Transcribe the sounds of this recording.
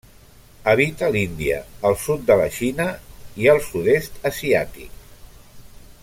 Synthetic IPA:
əβit̪əlind̪iə̰ːlˠsut̪̚d̪ələʃinəiəlˠsuðest̪əsia̰t̪ḭk̚

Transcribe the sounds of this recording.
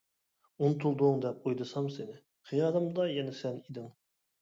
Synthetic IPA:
unt̪ʰulˠd̪ʊŋd̪ɛp̚ujd̪ɨsɑmsɪnɪ | χijɑːlˠɨmd̪ɑjɛnɛsɛnid̪ɪŋ

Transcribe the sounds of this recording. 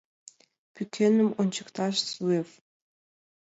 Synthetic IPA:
pʰytʲʰenɘ̆monʲt͡ɕʰɤ̆kt̪ʰɑʃsuef

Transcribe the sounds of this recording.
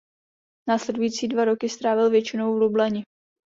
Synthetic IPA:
naːslɛdujit͡siːdvaɾo̞kɪst̪ɾaːvɪlvjɛt͡ʃɪno̞wvlublaɲɪ

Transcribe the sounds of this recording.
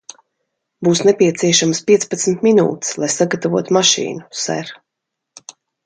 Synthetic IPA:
buːsnɛpiɛt̪siɛʃamspʲiɛspat̪smt̪minṵːt̪slˠajsaɡat̪avṵɔt̪umaʃḭːnusɛ̰ɾ

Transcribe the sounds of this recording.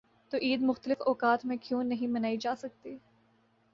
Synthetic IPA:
t̪oːʔiːd̪mʊxt̪əlɪfɔːkaːt̪mẽkjõːnɐɦĩmɐnaːid͡ʒaːsɐk̚t̪iː

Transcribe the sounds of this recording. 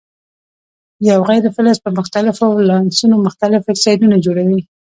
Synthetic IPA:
jawɣajɾɪfɪləspəmʊxt̪alɪfolɑnsunomʊxt̪alɪfɪktsɑjd̪unad͡ʒoɽawi

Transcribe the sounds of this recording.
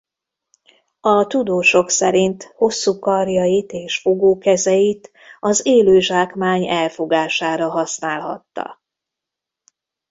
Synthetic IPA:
ɒt̪ud̪oːʃo̞ksɛɾint̪ho̞sːuːkɒrjɒjit̪eːʃfo̞ɡoːkɛzɛjit̪ | ɒzeːløːʒaːkmaːɲɛlfo̞ɡaːʃaːɾɒɦɒsnaːlɦɒ̰t̪ːɒ̰

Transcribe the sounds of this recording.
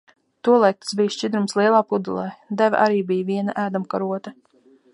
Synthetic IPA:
t̪uɔlˠɛk̚t̪sbijʃt͡ʃid̪ɾumslˠiɛlˠaːpud̪ulˠajd̪ævʲʔa̰ɾiːbijviɛna̰ʔæːd̪umkaɾuɔt̪a

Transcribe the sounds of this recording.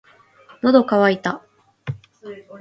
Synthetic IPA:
nod̪o̞kaβait̪a

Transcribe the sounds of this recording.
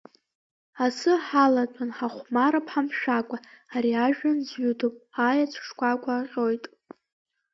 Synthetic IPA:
asɨħalatʼanħaχʷmaɾapʰħamʃᶣakʷʼaːɾiaʒᶣanzɥudʰopʼajat͡ʃʷʰʂkʷʰakʷʼaqʲʼo̞jtʼ

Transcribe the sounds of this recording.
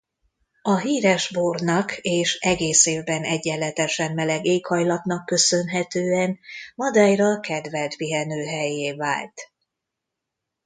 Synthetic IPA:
ɒɦiːɾɛʒboːrnɒkeːʃɛɡeːseːvbɛnɛɟːɛlːɛt̪ɛʃɛmːɛlɛɡeːkhɒjlɒt̪nɒkːø̞sø̞nɦɛt̪øːɛnmɒd̪ɒjrɒkɛd̪vɛlt̪piɦɛnøːɦɛjːeːva̰ːlt̪

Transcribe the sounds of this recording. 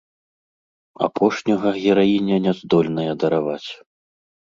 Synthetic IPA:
a̰pʰɔʂnʲɐɣɐɣʲɛɾajinʲɛnʲɛzd̪ɔlʲnɐjɐd̪ɐɾavat͡sʲ

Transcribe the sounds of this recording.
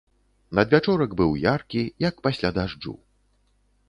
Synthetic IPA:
nɐd̪vʲat͡ʂɔɾɐɡbɨwjarkʲijɐkpasʲlʲad̪aʐd͡ʐṵ

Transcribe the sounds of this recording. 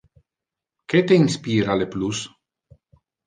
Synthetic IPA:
ket̪einspiːɾaleplus

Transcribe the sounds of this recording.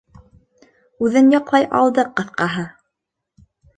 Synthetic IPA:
ʉðɘnjɑqlˠɑjʔɑ̰lˠd̪ɤqɤ̆θqɑɦɤ

